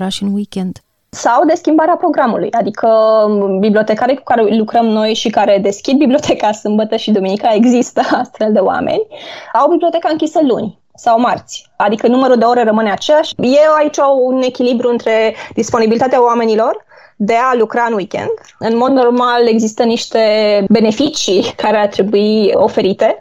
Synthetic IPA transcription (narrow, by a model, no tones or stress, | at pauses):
ɾaʃɨnwikʲend̪̥ | sawd̪e̞skʲimbaɾeapɾo̞ɡɾamulṵjad̪ikʰəbiblio̞t̪e̞kaɾeku̥kaɾelukɾəmno̞jʃikaɾe̞d̪e̞skʲid̪̚biblio̞t̪ʰekasɨmbət̪əʃid̪uminikae̞ɡzist̪əast̪fe̞ld̪e̞wa̰mḛnʲawbibliot̪e̞kaɨŋkʲisəlṵnʲ | sawmart̪sʲ | ad̪ikənuməɾuld̪e̞o̞ɾe̞rəmɨneat͡ʃelaʃjewait͡ʃʲawune̞kʲilibɾuɨnt̪ɾe̞d̪̥ispo̞nibilit̪at̪eaoame̞nilo̞r | d̪e̞alukɾaɨnwikʲḛnd̪ | ɨnmo̞d̪no̞rmale̞ɡzist̪əniʃt̪e̞be̞ne̞fit͡ʃikaɾeart̪ɾe̞buio̞fe̞ɾit̪e̞